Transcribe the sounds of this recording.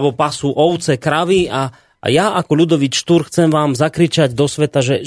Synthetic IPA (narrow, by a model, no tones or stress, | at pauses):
bɔpasuʔɔʊt͡sɛkɾaʋia̰ | jaakɔʎud̪ɔʋiʃt̪uɾxt͡sɛmʋaːmzakɾit͡ʃaɟd̪ɔsʋɛt̪aʒɛ